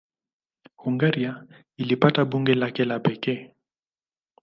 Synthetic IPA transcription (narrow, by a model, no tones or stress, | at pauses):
huŋɡaɾia | ilipataɓuŋɡɛlakɛlapɛkɛ